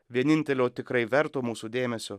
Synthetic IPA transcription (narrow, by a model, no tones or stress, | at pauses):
ʋʲiɛnʲɪnʲt̪ʲɛlʲoːt̪ʲɪkɾɐɪʋʲɛɾt̪oːmuːsud̪ʲeːmʲɛsʲo